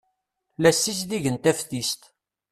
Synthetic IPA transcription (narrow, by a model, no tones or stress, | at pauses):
læsːisðiʝənt̪æfθist̪